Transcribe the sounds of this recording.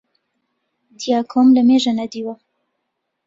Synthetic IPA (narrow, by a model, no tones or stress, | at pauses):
d̪ijaːkʰomləmeːʒanɛd̪iːwa